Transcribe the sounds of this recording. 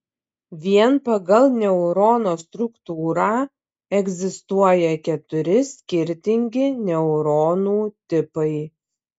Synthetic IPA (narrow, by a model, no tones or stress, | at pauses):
ʋʲiɛnpɐɡɐlˠnʲɛʊɾoːnoːst̪ɾʊkt̪uːɾɑː | ɛɡʲzʲɪst̪uɔjɛkʲɛt̪ʊɾʲɪsʲkʲɪɾʲt̪ʲɪŋʲɡʲɪnʲɛʊɾoːnuːt̪ʲɪpɐɪ